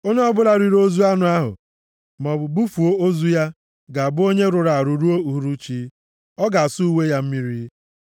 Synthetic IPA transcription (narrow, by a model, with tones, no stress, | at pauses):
o˦ɲe˦ɔ˦bʊ˦la˨ɾi˦ɾo˦zu˦a˦nʊ˨a˦ɦʊ̰˨ | m˨ɔ˨bʊ˨bu˦fu˨o˦o˦zu˦ja˦ | ɡa˨a˨bʊ˦o˦ɲe˦ɾʊ˨ɾa˨a˨ɾu˨ɾu˦o˦u˨ɦu˨ɾu˦t͡ʃi˦ | ɔ˦ɡa˨a˨su˦u˦we˦ja˦m̩˦mi˦ɾi˦